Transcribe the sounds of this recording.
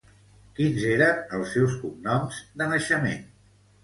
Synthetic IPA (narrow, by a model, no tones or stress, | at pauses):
kinzeɾənəlˠsːɛwskumnɔmzd̪ənəʃəmḛn